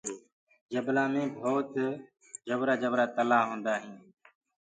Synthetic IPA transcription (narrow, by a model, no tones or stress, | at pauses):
d͡ʒəblaːmẽːbʱoːt̪ | d͡ʒəbɾaːd͡ʒəbɾaːt̪əlaːɦõːnd̪aːɦĩː